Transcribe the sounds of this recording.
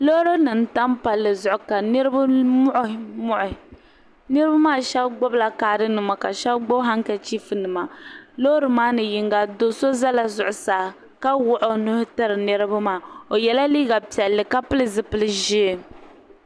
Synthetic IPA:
lo˦ɾo˦nɨ˨n̩˦ta˦mpa˨lːɨ˨zʊ˨ʔʊ˨ka˨nɨ˦ɾɨ˦ba˦mʊ˦ʔʊ˨˦mʊ˦ʔʊ˨ | nɨ˦ɾɨ˦ba˦maː˦˨ʃɛ˦bɡ͡bo˦bla˨kaː˨dɨ˦nɨ˨ma˨ka˨ʃɛ˦bɡ͡bo˦bɦa˦ŋka˨t͡ʃi˦fɨ˨nɨ˨ma˨lo˦ɾɨ˨maː˦nɨ˨ji˦ŋɡa˦do˦so˦za˦la˨zʊ˨ʔʊ˨saː˨ | ka˦wʊ˦ʔʊ˨nʊ˦hʊ˦ta˦ɾɨ˨nɨ˦ɾɨ˦ba˦maː˨o˨jɛ˨la˦liː˦ɡa˨pi˨ɛ˨lːɨ˨ka˦pɨ˦lɨ˦˨zɨ˦pɨ˦lɨ˦ʒi˦e˨

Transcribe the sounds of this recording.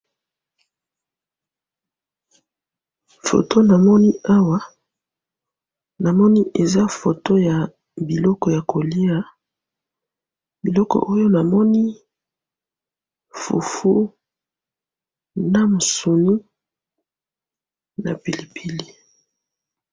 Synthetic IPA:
fo̰˨to˦na˨mɔ˦ni˦a˦wa˦ | na˨mɔ˦ni˦ʔe˨za˦fo˨to˦ja˨ | bi˨lɔ˦kɔ˨ja˨ko˨li˦a˦ | bi˨lɔ˦kɔ̰˨ʔo˦jo˦na˨mɔ˦ni˦ | fṵ˨fu˦ | na˦mo˨so˨ni˦ | na̰˨pi˨li˨pʰi˨li˦

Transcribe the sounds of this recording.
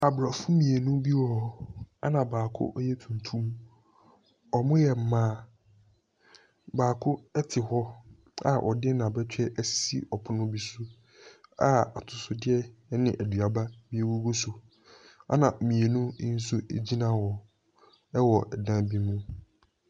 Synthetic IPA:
a˨bɾa˨fʊ˦mĩ˨e˨nũ˦bi˦wɔ˦a˦nã˨baː˨kʰʊ̰˦ʔjɛ˦tʰũ˨n˨tʰũ˦m | ɔ˨mʊ̃˦jɛ˨m̩˨˦mãː˦ | baː˨kʰʊ˦ɛ˦tʰɪ˨hɔ˦ | a̰˨ʔɔ˨dɪ˦nã˨bɛ˦t͡ɕᶣɛ˦ʔɛ˦ssḭ˦ʔɔ˨pʰʊ˦nʊ̃˦bi˦sʊ˦ | a̰˨a̰˨tʰʊ˨sʊ˨dɪ˦ɛ˦nɪ̃˨ʔæ˨du˨a˨ba˦bi˦e˦wu˦ɡo˦sʊ˨ | a̰˦nã˨mĩ˨e˨nũ˦n̩˦s̬u˦ḛ˨d͡ʑi˦nã˦˨wɔ˨ | ɛ˦wɔ˨ʔɛ˨dã˦bi˦mũ˦

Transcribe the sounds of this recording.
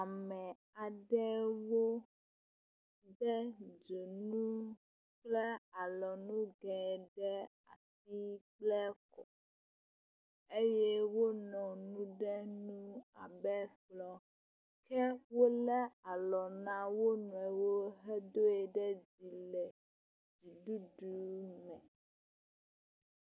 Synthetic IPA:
a˨mɛ˨ | a˨ɖɛ˦wo˦ | ɖɛ˦d͡ʒo˨nũ˦ | k͡plɛ˦a˨lɔ˨nũ˦ɡɛ˨ɖɛ˦ | a̰˨si˦k͡plɛ˦kɔ˨ | e˦jɛ˦wo˦nɔ̃˨nũ˦ɖɛ˦nũ˦a˨bɛ˦flɔ˦ | kʰɛ˦wo˦lɛ˦a˨lɔ˨nã˦wo˦nũ˨ɛ˨wo˦ɦɛ˦d̪o˦ɛ˨ɖɛ˦d͡ʒi˨lɛ˨ | d͡ʒi˨ɖu˦ɖu˨mɛ̃˨

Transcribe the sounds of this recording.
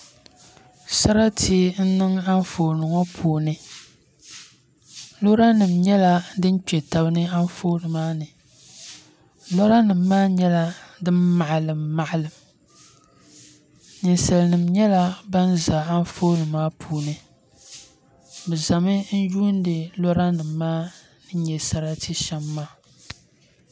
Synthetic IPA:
sa˦ɾa˦tʰi˦e˦n̩˦nɨ˦ŋa˦ɱ˦foː˨nɨ˨ŋo˦pʰuː˨nɨ˦ | lo˦ɾa˦nɨ˨mɲɛ˦la˦dɨ˦n˦k͡pɛ˨ta˨bɨ˦nɨ˦a˦nfoː˦nɨ˨maː˦nɨ˨ | lo˦ɾa˦nɨ˨mːaː˦ɲɛ˦la˦dɨ˦mma˨ʔlɨ˨mːa˨ʔa˦˨lɨ˨m | nɨ˨nsa˨lɨ˨nɨ˨mɲɛ˦la˦ba˦nza˨a˦n˦foː˦nɨ˨maː˦pʰuː˨˦nɨ˨ | bɛ˨za˨mɨ˦n̩˦ju˦ndɨ˨lo˦ɾa˦nɨ˨mːaː˦ | nɨ˦ɲɛ˨sa˦ɾa˦tʰɨ˦ʃɛ˦mːaː˦

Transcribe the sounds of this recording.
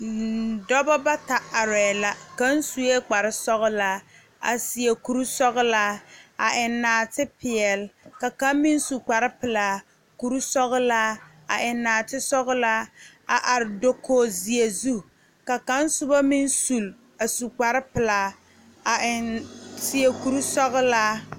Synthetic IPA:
dɔ˦bɔ˦ba˦ta˨a˨ɾɛː˨la˦ka˦n˦su˨je˦k͡pa˨ɾɪ˦sɔ˦ɣʊ˦laː˦ | a̰˨sɪ˨e˨ku˨ɾu˦sɔ˦ɣlaː˦a˨ʔɪ˨nːaː˨tɪ˦pɪ˨ɛ˨lka˨ka˦mi˦n˦su˨k͡pa˨ɾɪ˦pɪ˨laː˨˦ | ku˨ɾu˦sɔ˦ɣlaː˦ | a˨ʔɪ˨nːaː˨tɪ˦sɔ˦ɣla˦ | a˨ʔa˨ɾɪ˨do˦kʰoː˦zi˨e˨zu˦ | ka˨ka˦n˦sʊ˦ba˦mi˦nsu˨l | a˨su˨k͡pa˨ɾɪ˦pɪ˨laː˨ | a˨ʔɪ˨nsɪ˨e˨ku˨ɾu˦sɔ˦ɣʊ˦laː˦

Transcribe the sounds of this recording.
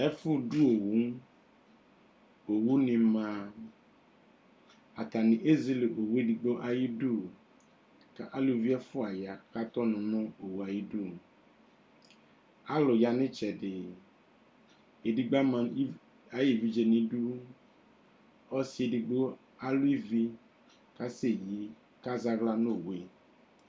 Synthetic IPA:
ɛ˦fʊ˦du˦o˨wu˨˦ŋ˦ | o˨wu˦nɪ̃˨mã˨ | a˨ta˨nɪ̃˨ʔe˦zi˦le˨ʔo˨wu˦e˦di˨ɡ͡bo˦ʔa˨ji˦du˦ | ka˨ʔa˦lu˨˦vi˦a˦fʊ˦a˨ja˨ka˦t̪ɔ˦nʊ̃˨nɔ̃˦o˨wu˨a˨ji˦du˦ | a˦lo˨ja˨nẽ˦t͡ʃɛ˨ɖɪ˨ | e˨di˨ɡ͡ba˦mã˨˦ | a˨ji˨vi˨d͡ʒe˨nĩ˨du˦ | ɔ˦si˦e˨di˨ɡ͡bo˦ | a˦lu˦i˦vi˦ | ka˦se˦˨ji˨˦ | ka˦za˦ɣla˦no˦˨we˦

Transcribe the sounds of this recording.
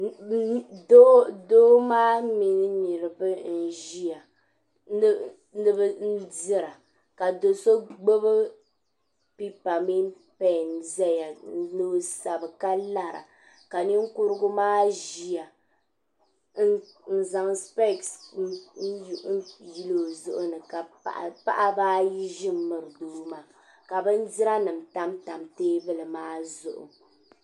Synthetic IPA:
do˦do˦maː˦mi˨nɨ˦ni˨ɾɨ˨bɨ˦n̩˨ʒi˦a˨˦ | nɨ˦bɨ˦n̩˦dɪ˦ɾa˨ | ka˨do˨so˦ɡ͡bo˦bɨ˦ | pi˦pa˨mi˦ | pɛ˨n̩˨˦zɛ˦ja˨˦˨no˦sa˨bɨ˨ka˦la˦ɾa̰˨ | ka˨ni˦ŋ˦kʊ˦ɾɨ˦ɡʊ˦maː˦ʒi˨ja˨ | n˦ | n̩˦za˨ŋspe˦˨ksn̩˦˨n̩˦ji˦lo˨zʊ˦ʔʊ˦nɨ˨ka̰˨ | pa˦ʔa˦baː˦ji˦ʒɪ˦m˦mɨ˨ɾɨ˨duː˦ma˨ | ka˨bɨ˦n̩˦dɪ˦ɾa˦nɨ˨m̩˨ta˦mta˨mteː˦bɨ˦lɨ˨maː˦zʊ˨ʔʊ̰˨

